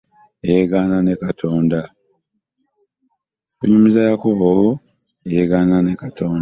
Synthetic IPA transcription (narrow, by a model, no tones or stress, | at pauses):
ejeɡaːnane̞katʰoːnda | kṵɲumizajakuβoβo | ejeɡaːnanekatoːn